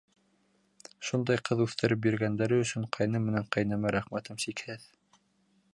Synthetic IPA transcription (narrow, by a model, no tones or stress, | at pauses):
ʃund̪ɑjqɤðʉθt̪ɘ̆ɾɘp̚biɾɡænd̪æɾɘɵ̆ʃɵɴqʰɑjnɤmːɘ̆næɴqɑjnæmæɾæχmæt̪ɤmʃikhɘð